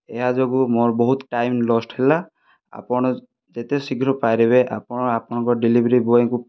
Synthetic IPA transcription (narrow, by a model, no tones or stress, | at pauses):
eɦad͡ʒɔɡumɔɹbɔɦut̪ʈajmlɔsʈʰhela | a̰pɔɽ̃ɔ | d͡ʒet̪esiɡʱɾɔpajɾiβeʔa̰pɔɽ̃ɔapɔnɔŋkɔɖilibʱɾibɔeku